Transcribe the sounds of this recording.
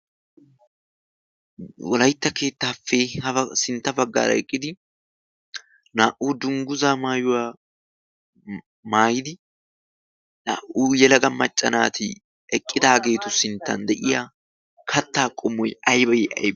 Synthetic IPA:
wɔlɐjt̪ːɐke̞ːt̪ːaːfːehɐsɪnt̪ːɐbɐɡːa̰ːɾɐ̰ɛkʼːɪd̪ɪ | naːʔuːd̪ʊŋɡʊzaːmaːjʊwaː | maːjɪd̪ɪ | na̰ːʔuːjɛlɐɡɐmːɐt͡ʃʼːɐnaːt̪ʰɪ | ɛkʼːɪd̪aːɡe̞ːt̪ʊsɪnt̪ːɐ̰nd̪ɛʔɪjaː | kʰɐt̪ːaːkʼːɔmːɔjɐjbɐjɛʔɐ̰jb

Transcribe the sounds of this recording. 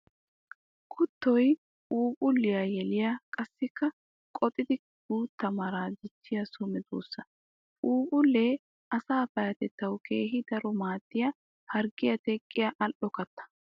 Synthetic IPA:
kʰʊt̪ːɔj | ʔuːpʼʊlːɪjajɛlɪjakʼɐsːɪkːɐ | kʼɔt̪ʼɪd̪ɪ | ɡ̥uːt̪ːɐmaɾaːd͡ʒɪt͡ʃːɪjɐsʊmɛd̪ṵːsːɐ | uːpʼʊlːeː | ʔɐsaːbɐjɐt̪ɛt̪ːɐwkʰe̞ːɦɪd̪ɐɾɔmaːt̪ːɪjɐ | hɐɾɡɪjɐt̪ɛkʼːɪjɐʔɐlʔɔkɐt̪ːɐ̥

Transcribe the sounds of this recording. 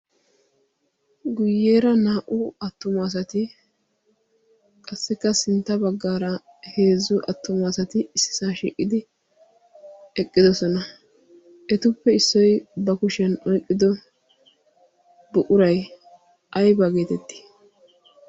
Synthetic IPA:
ɡʊjːeːɾɐnaːʔʊɐt̪ːʊmas̬ɐt̪ɪ | kʼɐsːɛkːɐsɪnt̪ːɐbɐɡːaːɾɐ | he̞ːzːʊʔɐt̪ːʊmɐsɐt̪ɪɪsːɪ̥saːʃḭːkʼːɪd̪ɪ | ɛkʼːɪd̪ɔsɔnɐ | ʔɛt̪ʊpːɛɪsːɔjbɐkʊʃɛnɔjkʼːɪd̪ɔ | bʊʔʊɾɐj | ʔɐjbɐɡe̞ːt̪ɛt̪ːɪ̥

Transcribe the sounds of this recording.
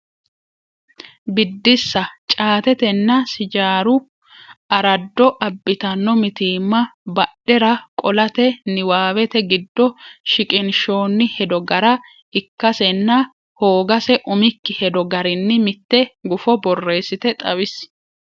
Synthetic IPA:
bɪd̪ːɪsːɐt͡ʃʼaːt̪ɛt̪ɛnːɐsɪd͡ʒaːɾʊ | ɐɾɐd̪ːɔʔɐbːɪt̪ɐnːɔmɪt̪iːmːɐbɐɗɛɾɐkʼɔlɐt̪ɛnɪwaːwɛt̪ɛɡɪd̪ːɔʃɪkʼɪnʃo̞ːnːɪhɛd̪ɔɡɐɾɐ | ɪkːɐsɛnːɐ | hoːɡɐsɛʔʊmɪkːɪhɛd̪ɔɡɐɾɪnːɪmɪt̪ːɛɡʊfɔbɔrːe̞ːsːɪt̪ɛt̪ʼɐwɪs

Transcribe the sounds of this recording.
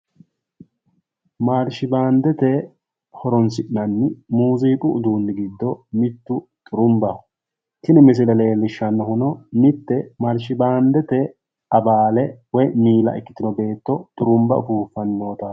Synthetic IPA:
maːɾʃɪbaːnd̪ɛt̪ɛ | hɔɾɔnsɪʔnɐnːɪmuːziːkʼʊːd̪uːnːɪɡɪd̪ːɔmɪt̪ːʊt̪ʼʊɾʊmbɐ | t̪ɪnɪmɪs̬ɪlɛleːlːɪʃːɐnːɐɦʊnɔnɪt̪ːɛmaɾʃɪbaːnd̪ɛt̪ɛ | ɐbaːlɛwɔjmiːlɐ̰ʔɪkːɪ̥t̪ɪnɔbe̞ːt̪ːɔt̪ʼʊɾʊmbɐʊfuːfɐnːo̞ːt̪ɐ

